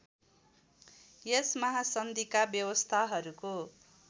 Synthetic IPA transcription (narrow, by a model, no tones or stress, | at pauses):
jesmʌɦasʌnd̪ʱikabjʌwʌst̪ʰaɦʌɾuko